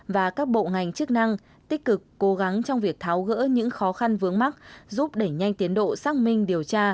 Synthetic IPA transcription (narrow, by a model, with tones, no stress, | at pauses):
vaː˨˩kaː˦˥k̚ɓo̰˧˨ŋa˨˩jŋ̟t͡ɕɨ˦˥k̚na˧ŋ | t̪ï˦˥k̟̚kɨ˨˩kːo˨˦ɣa˨˦ŋt͡ɕɔ˧wŋ͡mvi˨˩ək̚t̪ʰaː˨˦wɣə̰ː˧˥ɲɨ̰˧˥ŋxɔ˨˦xa˧nvɨ˨˦əŋma˦˥t̚zu˦˥p̚ɗe˧˩ɲa˧jŋ̟t̪i˨˦ənɗo̰˧˨saː˦˥k̚mï˧ŋ̟ɗi˨˩əwt͡ɕaː˧